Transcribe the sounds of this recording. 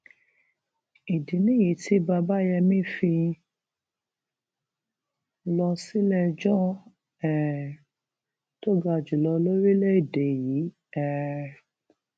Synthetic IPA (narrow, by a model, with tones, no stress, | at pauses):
i˨dĩ˨˦nĩ˦ji˨˦tʰi˦ba˧ba˦jɛ˧mĩ˦fi˧ | lɔ˧si˦lɛ˦d͡ʒɔ̃˦ | ɛ˨ | to˦ɡa˧˨d͡ʒu˨lɔ˧lo˦ɾi˦le˦i˨de˨ji˨˦ | ɛ˦˨